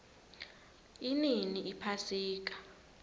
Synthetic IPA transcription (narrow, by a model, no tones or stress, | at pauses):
ininiʔipʰasiːk̬ḁ